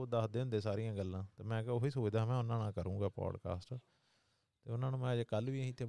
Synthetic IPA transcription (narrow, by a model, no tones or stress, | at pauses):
d̪aːd̪eːʊ̃nd̪eːsaːɾijãːɡəlːãːt̪eːmɛ̃ːkɛoɦiːsoːd̪aːmɛ̃ːʊnãːnãːkəɾũːɡaːpɔ̰ːɖka̰ːsʈ | t̪eːʊnãːnũːmɛ̃ːəd͡ʒkəlʋiːɦĩːt̪ʰːeː